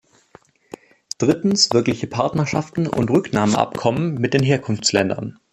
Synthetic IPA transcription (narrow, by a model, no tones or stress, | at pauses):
d̥ʁɪtn̩sv̥ɪɐklɪçəpʰaɐtnɐʃaftn̩ʔʊ̰ntʁʏknaːməʔa̰pkʰɔmənmɪt̚d̥eːnɦeːɐkʰʊnft͡slɛndɐ̰n